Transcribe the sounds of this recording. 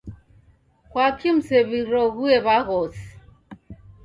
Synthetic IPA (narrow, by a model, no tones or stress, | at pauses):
kwakʰim̩sɛβiɾɔɣuɛβaɣɔsi̥